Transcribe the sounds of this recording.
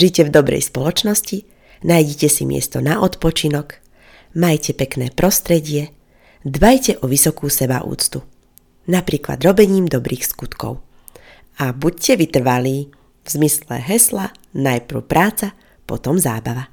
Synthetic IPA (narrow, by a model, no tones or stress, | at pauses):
ʒicɛvd̪ɔbɾɛ̰jspɔlɔt͡ʃnɔsci | najɟɛcɛsimɪɛ̰st̪ɔnaʔɔt̪pɔt͡ʃinɔk | majcɛpɛknɛːpɾʔɔst̪ɾɛɟɪɛ | d̪bajcɛʔɔʋisɔkuːsɛbaʔṵːt͡st̪u | napɾiːkla̰d̪ɾɔbɛɲiːmd̪ɔbɾiːxskut̪kɔ̰ʊ | abuccɛʋit̪r̩ʋaliː | vzmislɛ̰ɦɛsla | najpr̩ʊpɾʔaːt͡sa | pɔ̰t̪ɔmza̰ːbaʋa